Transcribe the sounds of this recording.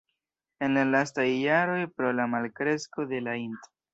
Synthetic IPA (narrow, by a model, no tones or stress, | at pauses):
e̞nlalastajːaɾo̞jpɾo̞lamalkɾe̞sko̞de̞lainto̥